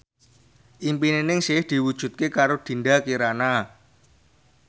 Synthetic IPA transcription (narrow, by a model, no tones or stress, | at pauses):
ʔimpinenɪŋsehd̪̥i̤wud̥ʒ̥ṳt̪̚kekaɾod̪̥i̤nɖakiɾana